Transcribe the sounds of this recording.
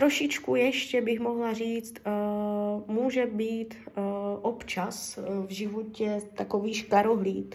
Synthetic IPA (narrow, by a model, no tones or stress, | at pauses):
t̪ɾoʃɪt͡ʃkujɛʃcɛbɪxmo̞ɦlariːt͡st̪ | muːʒɛbiːt̪ʔopt͡ʃasvʒɪvocɛt̪akoviːʃkaɾoɦliːt̪